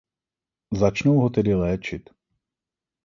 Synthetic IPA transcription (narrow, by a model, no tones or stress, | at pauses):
zat͡ʃnowɦot̪ɛdɪlɛːt͡ʃɪt̪